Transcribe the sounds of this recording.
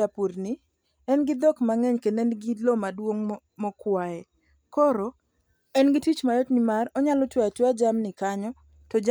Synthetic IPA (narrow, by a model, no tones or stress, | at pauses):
apuɾni | ɛnɡɪd̪ɔkmaŋɛɲkenɛnɡilɔmadwoŋ | mɔkwaɛ | kɔɾɔ | ɛnɡɪtit͡ʃmajɔtnimarɔɲalɔtwɛatwad͡ʒamnɪkaɲɔ | tɔd͡ʒ